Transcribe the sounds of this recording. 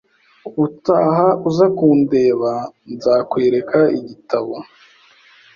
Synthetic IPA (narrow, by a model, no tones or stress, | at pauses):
utaːhauzakuːnde̞ːβanzaːkwe̞ːɾe̞kʰaiɟitaβo